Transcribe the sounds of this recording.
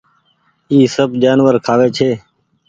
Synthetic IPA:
iːsəbd͡ʒaːnʋəɾkʰaːʋeːt͡ʃʰeː

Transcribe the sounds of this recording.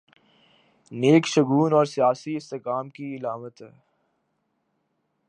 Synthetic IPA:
neːkʃɐɡuːnɔːɾsijaːsiɪst̪ekaːmkiɪlaːmət̪ɦɛː

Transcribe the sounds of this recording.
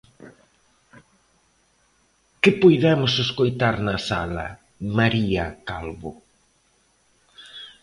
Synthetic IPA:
kɪpojðɛmʊseskojt̪aɾnɐsalɐ̰ | maɾiɐkalβʊ

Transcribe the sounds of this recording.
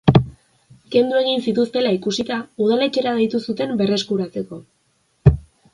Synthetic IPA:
ke̞nd̪ue̞ɣ̞insit̪ust̪e̞laikusit̪auð̞ale̞t͡ʃe̞ɾaðejt̪usut̪e̞mbe̞re̞skuɾat͡se̞ko̞

